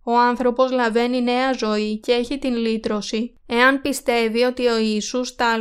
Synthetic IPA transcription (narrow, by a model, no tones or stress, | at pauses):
o̞ɐnθɾo̞po̞zlɐve̞nine̞ɐzo̞ice̞e̞çit̪inlit̪ɾo̞si | e̞ɐnpist̪e̞vio̞t̪io̞iːsust̪ɐ